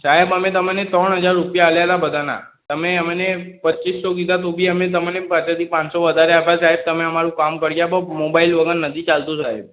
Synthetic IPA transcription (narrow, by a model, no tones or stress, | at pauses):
saɦebəmẽt̪əmenet̪ɾəɳɦəd͡ʒaɾːupjaːljalabəd̪ʱana̰ | t̪əmeəmenepətːt͡ʃisːoɡid̪at̪obʱiəmẽt̪̬əmenepat͡ʃət̪ipãt͡ʃsoʋəd̪ʱaɾeabasaɦeb̚t̪əmeəmaɾũkamkəɾɡjabomobailʋəɡənnət̪ʰit͡ʃalt̪ũsaɦḛb